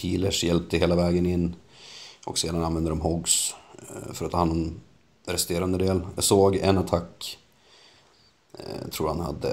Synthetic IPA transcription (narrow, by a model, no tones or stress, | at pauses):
hiːləʂjɛlp̚t̪əheːlavɛːɡənɪnː | ʔɔkseːd̪ananvɛnd̪əɾɔmɦɔɡs | fœɾat̪ʰːɑːhanːɔn | ɾɛst̪eːɾand̪əd̪eːljasoːɡɛ̰nat̪ʰakː | t̪ʰɾuːɾha̰nha̰d̪ːə̰